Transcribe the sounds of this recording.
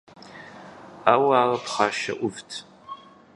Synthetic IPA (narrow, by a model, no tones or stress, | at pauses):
aːwaːrɐpχaːʃɐ̰ʔʷʊvtʰ